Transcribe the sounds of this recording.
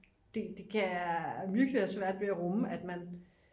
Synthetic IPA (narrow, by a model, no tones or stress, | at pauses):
d̥e̝d̥e̝kʰææmyɐɡ̥liɐsʋæɐ̰d̥ʋe̝æʁɔməæd̥mæn